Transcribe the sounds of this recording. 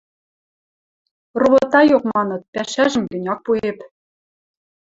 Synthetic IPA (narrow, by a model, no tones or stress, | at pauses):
roβɤ̆t̪ɑjokmɑnɤ̆t̪̚pæʃæʒɘ̆mɡɘ̆nʲɑk̚puep